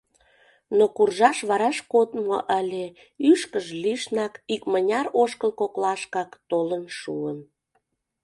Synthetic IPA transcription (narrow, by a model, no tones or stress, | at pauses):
nokurʒɑʃβɑɾɑʃkot̪mo̰ʔəlʲe | yʃkəʒliʃnɑkikmənʲɑɾoʃkəlkoklɑʃkɑkt̪olənʃuən